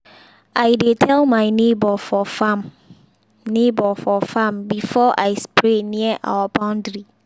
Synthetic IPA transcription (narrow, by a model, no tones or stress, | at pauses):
aɪdetʰɛlmãɪnebɔfɔfãm | nebɔfɔfãmbifɔʔaɪspʰɾenĩəʔa̰wəbãʊ̃ndɹi